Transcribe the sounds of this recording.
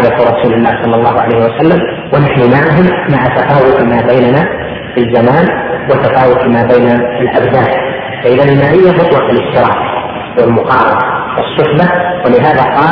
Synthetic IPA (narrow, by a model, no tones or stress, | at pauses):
lat̪ʊɾˤɑsuːlɪlːaːhsˤɑlːɑlˤːɑːhʊʕa̰lajhɪwasalːam | wɪnaħnimaʕaɦʊmːaʕat̪afaːwʊt̪maːbajnana | fizːamaːnwɪt̪afaːwʊt̪maːbajnaɪlʔabzaːn | faʔɪðanɪlmaːʔɪjːamʊt̪ˤwɑʔɪlɪħt̪ːɪɾɑ̰ːq | wɪlmʊqɑːɾˤɑnawɪsˤːʊħbawɪlɪɦaːðaqɑː